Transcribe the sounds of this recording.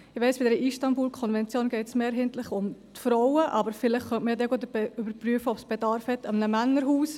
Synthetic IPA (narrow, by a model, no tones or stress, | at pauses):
ɪʋɛɪsb̥ɪd̪ɛɾəʔiʃtɑmbuːlkʰɔnvɛnt͡sjoːnɡ̥ɛɪtsmeːɾɦɛɪntlɪχʊmt̪fɾɔwəʔɑbəɾfɪlɪχχœntməjd̪ɛɡot̪əbɛʏbəɾpryəfəɔpsb̥ɛdɑɾfhɛt̪ɑmnəmænːəɾɦuːs